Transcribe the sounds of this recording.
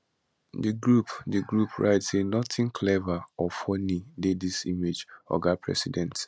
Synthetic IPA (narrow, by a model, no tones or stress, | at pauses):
diɡɹupdiɡɹupʰɹʔa̰ɪtsenɔtĩŋkʰlɛvaɔfɔnidedisimed͡ʒɔ̰ɡapʰɹɛ̰sidɛ̃nt